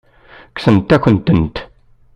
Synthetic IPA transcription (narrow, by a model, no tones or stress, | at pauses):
ksənt̪ːæçʷənt̪ːənt̪